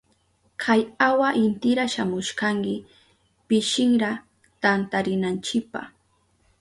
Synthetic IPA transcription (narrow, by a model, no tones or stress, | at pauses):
kʰajawaʔɪnt̪ɪɾaʃamʊʃkaŋkɪ | pɪʃɪŋɾa | t̪ant̪aɾɪnant͡ʃɪk̚pa̰χ